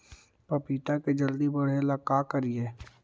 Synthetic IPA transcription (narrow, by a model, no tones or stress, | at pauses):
pɐpiːt̪aked͡ʒɐld̪ibɐɽ̤elakaːkɐɾieː